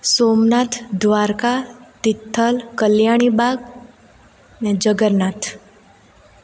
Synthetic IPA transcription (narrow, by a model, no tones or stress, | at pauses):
somnat̪ʰd̪ʋaɾkat̪ɪt̪ʰːəlkəljaɽ̃ibaɡ | ned͡ʒəɡəɾnat̪ʰ